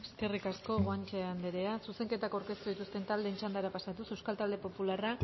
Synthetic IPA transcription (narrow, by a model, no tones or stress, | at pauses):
eske̞rikasko̞ɣoant͡ʃeand̪eɾe̞asuse̞ŋke̞t̪akawɾke̞st̪uðit̪ust̪e̞nt̪ald̪e̞ːnt͡ʃand̪aɾapasat̪usewskalt̪ald̪e̞po̞pulara